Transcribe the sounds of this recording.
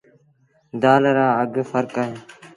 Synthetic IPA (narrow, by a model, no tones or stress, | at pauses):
d̪aːlɾaːəɡfəɾkaːɦeː